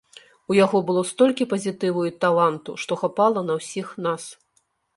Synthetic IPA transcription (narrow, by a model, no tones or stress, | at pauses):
ujaɣɔbɨlˠɔst̪ɔlʲkʲipɐzʲit̪ɨvujut̪alˠant̪ṵʂt̪ɔxapalˠɐnɐwsʲixnas